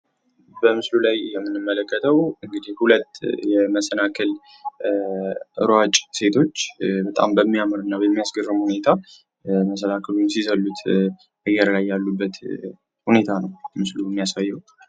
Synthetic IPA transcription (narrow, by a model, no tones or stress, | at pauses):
bəmɨslulajjɛmːɨnːɨmːələkʰʼːət̪ʰəwɨŋɡɨd̪ihhulət̪ːjɛməsənakʰɨl | ʔɨ̰ɾwat͡ʃʼse̞t̪ʰo̞t͡ʃːbət̪ʼa̰mbəmːijamɨɾɨnːabəmːijasɡərːɨmhune̞t̪ʰa | məsənakʰəlunsizəlːut̪ | ʔɨjɛɾlajːalːubːət̪ | hune̞t̪ʰanəwmɨsluɛmːijasajːɛw